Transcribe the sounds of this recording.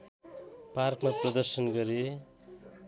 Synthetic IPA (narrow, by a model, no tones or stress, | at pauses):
parkmaprʌd̪ʌrsʌnɡʌɾe